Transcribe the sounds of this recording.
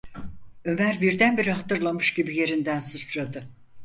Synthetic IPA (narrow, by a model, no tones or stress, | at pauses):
ø̞mæɾbiɾd̪ænbiɾiɦat̪ɯɾlˠamɯʃɟibije̞ɾind̪ænsɯt͡ʃɾad̪ɯ